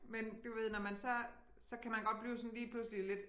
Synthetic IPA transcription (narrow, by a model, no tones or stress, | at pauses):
mend̥uʋe̝ð̞̰ˠnɒmænsɒ̽ | sɒ̽kʰæmænɡ̥ɒ̽d̥̚b̥liːʊsɒ̽nliːpʰlusəlile̝d̥